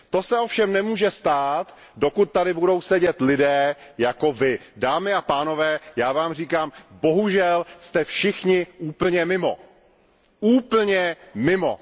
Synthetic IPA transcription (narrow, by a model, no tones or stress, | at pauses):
t̪o̞sɛofʃɛmnɛmuːʒɛst̪aːt̪ | do̞kut̪̚t̪adɪbudo̞wsɛɟɛt̪lɪdɛːjako̞vɪdaːmɪapaːno̞vɛːjaːvaːmr̝iːkaːmbo̞ɦuʒɛlst̪ɛfʃɪxɲɪʔuːpl̩ɲɛmɪmo̞̰ | ʔuːpl̩ɲɛmɪmo̰